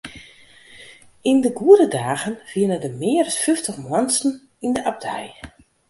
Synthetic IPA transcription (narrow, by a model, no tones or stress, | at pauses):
indəɡuədədaːɣənviənədəmɪərsfyftəχmwɔnsn̩ | indəʔab̚dɛj